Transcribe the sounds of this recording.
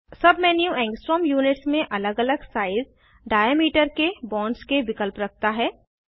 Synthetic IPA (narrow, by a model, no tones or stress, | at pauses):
sɐbʱmɛnjũɛ̃ːŋksʈɾəmjuːnɪʈsmẽʔɐləɡɐləɡsaːɪz | ɖaːjəmiːʈəɾkebɔ̃ːnskeʋɪkəlpɾɐk̚ʰt̪aɦɛː